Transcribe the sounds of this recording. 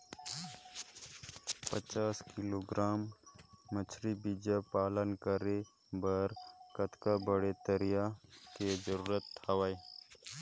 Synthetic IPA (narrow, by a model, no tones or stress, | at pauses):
pət͡ʃaːskɪloɡɾaːmː | ət͡ʃʰɾibid͡ʒapaːlənkəɾe | bəɾkət̪kabəɽet̪əɾɪjaked͡ʒəɾuːɾət̪ʰːaʋaːe